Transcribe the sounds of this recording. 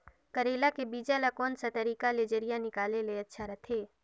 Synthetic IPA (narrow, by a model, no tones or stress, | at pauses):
kɐɾeːlakebiːd͡ʒalakɔːnsat̪ɐɾiːkaled͡ʒeɾɪijanɪkaːleleɐtːʃʰaɾɐt̪ʰeː